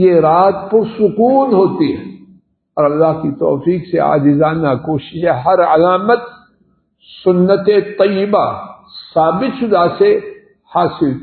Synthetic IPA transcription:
jeɾaːt̪̚pɐɾsʊkuːnɦoːt̪iɦɛ̰̃ | ɔːɾɐlːaːɦkit̪ɔ̰ːfiːksea̰ːd͡ʒɪzaːnakoːʃɪʃɦɛ̃ɦɐɾɐlaːmət̪ | sʊnːət̪et̪ɐjːɪba | saːbɪt̪ʃʊd̪ase | haːsɪl

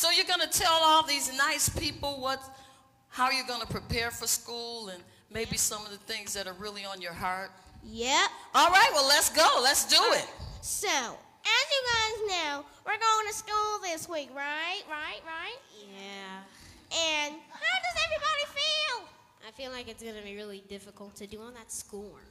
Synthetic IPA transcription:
soʊjəɡʌnɨtʰɛlˠɔlˠðiznaɪspʰipl̩ˠwʌt | haʊə˞jɨɡʌnəpʰɹ̥ipʰɛɹfə˞skulˠɨ̃n | meɪbisʌ̃mʌvðɨθɪ̃ŋzðɨɾə˞ɹɪlˠiə̃njə˞hɑɹt̚jɛp̚ɔlˠɹaɪt̚wɛlətsɡ̥oʊlətsd̥əɪt̚soʊ | ʔɨzjɨɡaɪznaʊ | wɪɹɡoʊɪ̃ŋtʰɨskulˠðɪswikɹaɪt̚ɹaɪʔ̚ɹaɪt̚jæ | ʔɨ̃nhaʊdʌzɛvɹibɑɾifilˠ | ʔaɪfilaɪkɨtsɡ̥ʌnɨbiɹɪlˠidɪfəkl̩ˠtʰɨdɨə̃nðɨtskulˠ

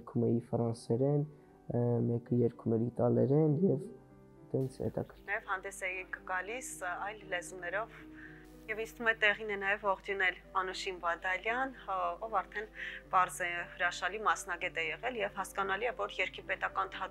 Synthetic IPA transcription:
ɾkʰumɛifɾɑnsɛɾɛn | mɛkəjɛɾkʰumɛɾit̪ɑlɛɾɛnjɛv | t̪ɛnt͡sʰhɛ̰t̪ɑ̰kʰəɾnjɛv̥hɑnd̪ɛsɛjikəɡɑlisɑjlːɛzumnɛɾɔv | jɛvint͡sʰt̪umɛt̪ɛʁinɛnɑjɛvɔʁd̪junɛl | ɑnuʃinbɑd̪ɑljɑnɔvɑɾt̪ʰɛnpɑɾzɛhəɾɑʃɑlimɑsn̪ɑɡɛt̪ɛjɛʁɛljɛvhɑskɑnɑliɛvɔɾjɛɾkʰipɛt̪ɑkɑnt̪ʰɑ

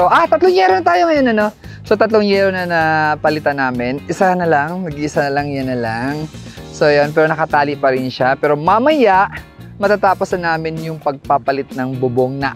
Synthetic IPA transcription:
oʔat̪ɐt̪loŋjɛɾonɐt̪aːjoŋɐjo̞nɐno̞ | so̞t̪ɐt̪loŋjɛɾonɐnɐpɐlɪt̪anaːmɪnʔɪsanɐlaŋmɐɡɪʔɪsanɐlɐŋjanɐlaŋ | so̞jonpɛːɾo̞nɐkɐt̪aːlɪʔpɐɾɪnʃapɛːɾo̞mɐmɐjaʔ | mɐt̪at̪aːpo̞snɐnaːmɪnjʊŋpɐɡ̚papɐlɪt̪̚nɐŋbʊboŋnɐʔ

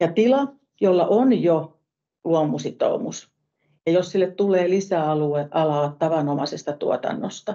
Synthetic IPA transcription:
jɑt̪ilɑ | jolːɑʔonjo | luomːˑusit̪o̰ˑumus | jɑjossilːett̪ulˑeːlisæɑlueʔɑlɑtt̪ɑʋɑnomɑsest̪ɑt̪uɔt̪ɑ̰nːost̪ɑ

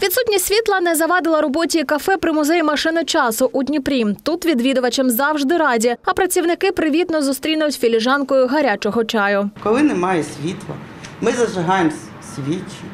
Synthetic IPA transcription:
ʋʲit̪sutʲnʲisʲʋʲit̪lˠɐnɛzɐʋɑd̪ɪlˠɐɾɔbɔtʲikɐfɛpɾɪmʊzɛjʊmɐʃɪnɪt͡ʃɑsʊʔʊdʲnʲipɾʲimt̪ut̪ʋʲid̪ʋʲid̪ʊʋɐt͡ʃemzɑwʒd̪ɪɾɑdʲiɐpɾɐt͡sʲiwnɪkɪpɾɪʋʲit̪nɔzʊst̪ɾʲinɐjʊtʲfʲilʲɪʒɑnkɔjʊɦɐɾʲat͡ʃɔɦɔt͡ʃɑjʊkɔlˠɪnɛmɑjɛsʲʋʲit̪lˠɐ̰ | mɪzɐʒɪɦɑjemsʲ | sʲʋʲitʲːʊ

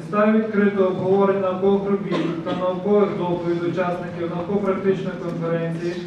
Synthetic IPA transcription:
st̪ɑjʋʲit̪kɾɪt̪ɔːbɦɔʋɔɾɪtʲnɐwkɔɣɦɾʊbʲizɪxt̪ɐnɐwkɔʋɪɣd̪ɔpɔʋʲid̪ʊt͡ʃasnɪkʲiwnɐwkɔpɾɐk̚t̪ɪt͡ʃnɔjkɔnfeɾɛnʲt͡sʲiji

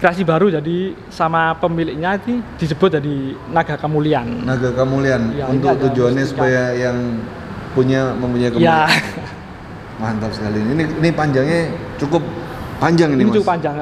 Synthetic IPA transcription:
kɾeasibaɾud͡ʒadi | samapəmilɪk̚ɲait̪id̥is̬əb̥ʊt̪̚d͡ʒadinaɡakəmuliannaɡakəmulianjaunt̪ʊk̚t̪ud͡ʒuanɲasupajajaŋ | puɲaməmpuɲaikəmja | mant̪apsə̥kalininiinipaɲd͡ʒaŋɲa | t͡ʃukʊp̚ːaɲd͡ʒaŋininit͡ʃukʊpːaɲd͡ʒaŋ

